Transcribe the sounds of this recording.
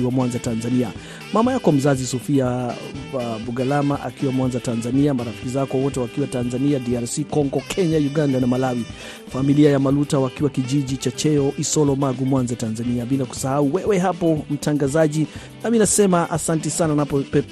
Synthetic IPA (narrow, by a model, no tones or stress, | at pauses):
iwamwanzatanzania | mamajakɔm̩zazisɔfia | buɡalamaʔa̰kiwamwanzatanzaniamaɾafi̥kizakɔawɔtɛwakiwatanzaniadiaɾsikɔŋɡɔkʰɛɲajuɡandanamalawi | familiajamalutawakiwakiʄiʄit͡ʃat͡ʃɛɔʔisɔlɔmaɡumwanzatanzaniaɓilaku̥sahauwɛwɛɦapɔm̩tʰaŋɡazaʄi | naminasɛmaʔasantɛsananapɔpɛ